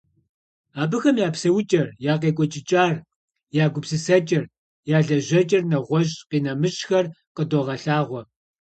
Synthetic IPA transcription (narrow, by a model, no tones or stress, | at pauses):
aːbɨxɐmjaːpsɐwʊt͡ʃʼɐrjaːq̬eːkʷʼɔt͡ʃʼɪt͡ʃʼaːr | jaːɡʷʊpsɨsɐt͡ʃʼɪr | jaːɮɐʑɐt͡ʃʼɪrnɐʁʷɔʑʼqiːnɐmɨɕʼxɐr | qədoːʁɐɬaːʁʷɔ